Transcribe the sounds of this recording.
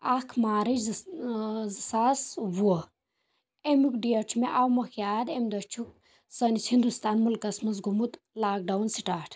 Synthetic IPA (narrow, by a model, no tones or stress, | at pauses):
akʰmaːɾi | zsasʋuɔ | emukɖieʈʰmeʔawmɐkʰjaːd̪emʲd̪ɐt͡ʃʰuk̚ | sɐnit͡sʰhind̪ust̪aːnmulkɐsmɐs̬ɡumut̪ | laːk̚ɖɐwnsiʈaːʈʰ